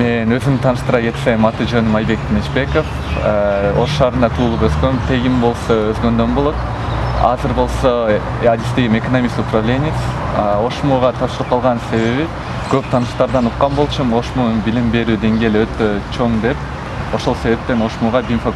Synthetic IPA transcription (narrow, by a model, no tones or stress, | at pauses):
me̞nø̞zymt̪ʰɑnɯʃt̪ɯɾɑɡe̞t̪semɑt̪ɯd͡ʒø̞nymɑjbe̞k̚t̪ʰinet͡ʃbe̞kof | o̞ʃʃɑːɾɯnd̪ɑt̪ʰuːlˠupøzɡø̞mt̪ʰe̞ɡimbo̞lˠso̞øzɡø̞nd̪ø̞nbulˠuq | ɑ̰zɯɾbo̞lˠso̞ | ad̪ist̪eɡimekɐnomʲist̪upravlʲe̞nʲɪijt̪so̞ʃmuːʁɑt̪ʰɑpʃɯɾˠɯp̚qʰɑlˠʁɑnse̞βe̞βi | kø̞p̚t̪ʰɑnɯʃt̪ɑɾd̪ɑnuqːɑnbo̞lˠt͡ʃʰumo̞ʃmuːnubilimbe̞ɾyːd̪e̞ŋɡʲe̞ːliø̞t̪øt͡ʃʰo̞ŋd̪e̞p | o̞ʃo̞lˠse̞βe̞p̚t̪e̞no̞ʃmuːʁɑbimfa